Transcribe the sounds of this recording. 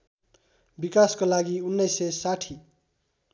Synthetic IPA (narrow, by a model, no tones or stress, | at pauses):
bikaskolaɡiunːʌjsʌsaʈʰi